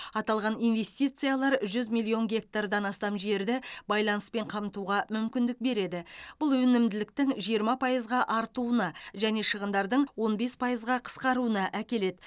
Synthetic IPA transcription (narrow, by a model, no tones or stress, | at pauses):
ɑt̪ɑlˠʁɑnijnve̞st̪ʲijt̪sɨjalˠɑɾʒʏzmʲilʲˠːio̞ŋɡʲe̞k̚t̪ard̪ɑnɑst̪ɑmʒe̞ɾd̪ɪbɑjlˠɑnəspe̞ɴqʰɑmt̪uʁɑmʏmkʲɪnd̪ɪk̚be̞ɾe̞d̪ɪb̥ʊlˠwɵnɪmd̪ɪlɪk̚t̪ɪŋʒijəɾmɑpʰɑjəzʁɑʔɑɾt̪uənɑʒæne̞ʃəʁənd̪ɑɾd̪əɴwo̞nbe̞spʰɑjəzʁɑqʰə̥sqɑɾuənɑʔækʲe̞le̞d̪ɪ